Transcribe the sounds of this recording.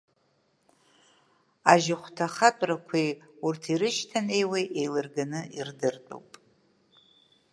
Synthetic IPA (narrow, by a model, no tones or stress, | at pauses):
aʒɪχʷtʰaχatʼrakʷʰiurtʰiɾɨʃtʰane̞jwejʔejlɨrɡanɨirdɨrtʼo̰wpʼ